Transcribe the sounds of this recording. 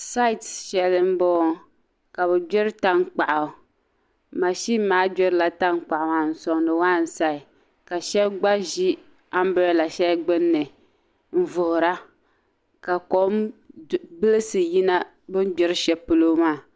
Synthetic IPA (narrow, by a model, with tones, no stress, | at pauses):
sa˦ɪ˨tʃɛ˨lɨ˦m̩˦bɔː˦ | ka˨bɛ˨d͡ʒɛ˦ɾɨ˦ta˦ŋk͡pa˨ʔa˨ | ma˨ʃi˦maː˦d͡ʒɛ˦ɾɨ˦la˨ta˦ŋk͡pa˨ʔa˨ma˨n̩˨sɔ˨ŋ˨nɨ˨waː˦˨n̩˨sa˦ɪ˨ | ka˨ʃɛ˦bɡ͡ba˦ʒi˦ | a˦m˦bɔ˦˨la˨ʃɛ˦lɡ͡bɨ˦nːɨ˨ | m̩˦˨vʊ˨hʊ˨ɾa˦ | ka˨ko˦m | bɨ˦lɨ˦sɨ˨ji˦na˦ | bɨ˦n˦ɡ͡bɛ˦ɾɨ˦ʃɛ˦pɨ˦lo˦maː˦˨